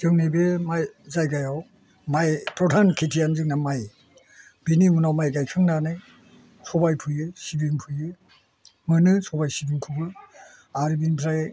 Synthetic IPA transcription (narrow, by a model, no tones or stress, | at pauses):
zɯŋnibemajzajɡajaw | majpɾɔdʰʱankʰitʰijanzɯk̚namaj | binimunawmajɡajkʰɯŋnanɯj | sʰɔbajpʰɯjɯsibiŋpʰɯjɯ | mɯnɯsʰɔbajsibiŋkʰubɯ | aɾibinpʰɾaj